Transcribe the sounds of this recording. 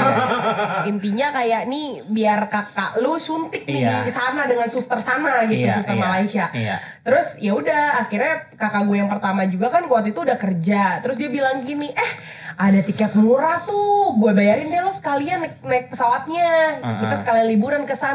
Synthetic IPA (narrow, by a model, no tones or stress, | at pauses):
int̪iɲakajaʔnibiarkaka̰ʔlusunt̪ɪk̚nidisanadəŋansust̪ərsanaɡit̪usust̪ərmalaisia | t̪əɾʊsijaudahaxirɲakakaɡujaŋpərt̪amad͡ʒuɡakankuat̪it̪uːdahkərd͡ʒat̪əɾʊs̬diabilaŋɡiniʔɛh | ʔadat̪ikat̪̚muɾat̪ʊɡuabajaɾɪndialɔhsə̥kaliannaɪk̚pəsawat̪̚ɲakit̪asə̥kalianlibuɾankəsan